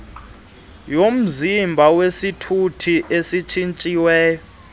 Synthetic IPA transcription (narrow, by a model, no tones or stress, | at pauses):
jom̩zimbʱawesitʰutʰiʔesit͡ʃʰint͡ʃʼiwɛːjɔ